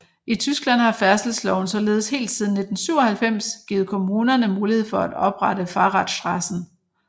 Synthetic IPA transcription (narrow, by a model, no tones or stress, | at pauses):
it͡sʰysɡ̥læn̰hɑ̈fæɐsl̩slɒʊn̩sɒ̽le̝ːð̞̩ˠshe̝̰ːld̥siðˠn̩ːe̝d̥n̩syʊɒhælfem̰sɡ̥iːð̩ˠkʰo̝muːnɐnəmuːlihe̝ð̞̰ˠfɒ̽æd̥ɒ̽b̥ʁɑɾ̥əfɑ̈ːʁɑd̥sd̥ʁɑsn̩